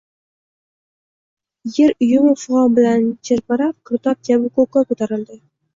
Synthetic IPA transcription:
jeɾʊjʊmɪfʊʁɒbɪlant͡ʃʰɪɾpɪɾap̚kʰʊɾt̪ɒp̚d͡ʒʲabʊkokɒkɵt̪ʰaɾɪld̪ɪ

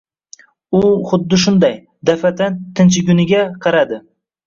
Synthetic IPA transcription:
ʊχʊd̪ːɪʃ̬ʊnd̪aj | d̪afat̪ʰant̪ʰɪnt͡ʃɪɡʲʊnɪɡʲaqʰɑɾad̪ɪ

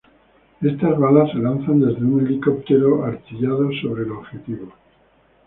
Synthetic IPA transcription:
e̞st̪azβalasːelanθand̪e̞zðeuŋe̞liko̞p̚t̪e̞ɾoaɾt͡ʃiʎað̞o̞so̞βɾe̞ːloβxe̞t̪iβo

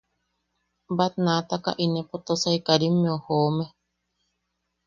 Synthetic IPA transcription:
bat̪̚nat̪aka̰ʔinẽpot̪osaikaɾimːeohoːme

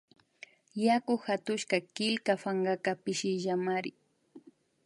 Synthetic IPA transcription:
jakʊxat̪ʊʃkakɪlkafaŋɢakapɪʃɪʒamaɾɪ

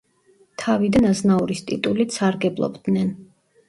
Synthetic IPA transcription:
t̪ʰavid̪anaznauɾist̪ʼḭt̪ʼulit̪saɾɡɛblˠɔ̰bd̪nɛn

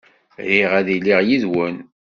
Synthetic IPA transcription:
ɾiʁæðilːiʁjiðwən

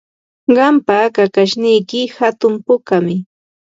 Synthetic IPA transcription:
ɢɑmpakakaʃnɪjkɪhat̪ʊmpʊkamɪ

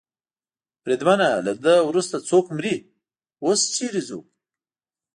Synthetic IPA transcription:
bɾed̪wanalad̪əwɾust̪at͡sokmɾi | ost͡ʃiɾizṵ

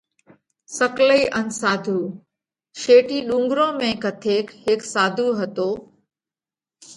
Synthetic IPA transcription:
sɐkləiːʔənsaːd̪ʱuː | ʃeːʈiːɗũːŋɡɾõːmẽkɐt̪ʰeːkɦɪksaːd̪ʱuɦɐt̪oː

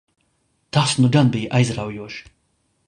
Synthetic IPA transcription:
t̪asnuɡanbijʔajzɾawjuɔʃ

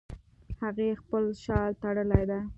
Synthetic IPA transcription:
haɣexpəlʃɑlt̪aɽəlajd̪a

